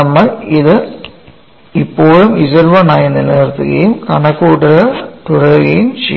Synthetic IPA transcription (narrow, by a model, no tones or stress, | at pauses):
ɐmːɐɪðɯ | ɪpːoːɻɯmɪsɐɾʋɐnaːjɐnɪlɐɾɯt̪ːɯ̰ɣɐ̰jɯmkɐɳɐkːuːʈːɯɾɐt̪ʊɽɐɾɯɣɐjɯmt͡ʃɛ